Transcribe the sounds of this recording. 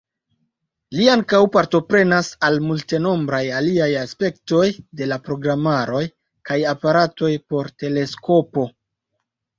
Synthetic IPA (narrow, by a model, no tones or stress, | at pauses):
liaŋkawpaɾto̞pɾe̞nasalmulte̞no̞mbɾajaliajaspe̞kto̞jde̞lapɾo̞ɡɾamaɾo̞j | kajapaɾato̞jpo̞ɾte̞le̞sko̞po̞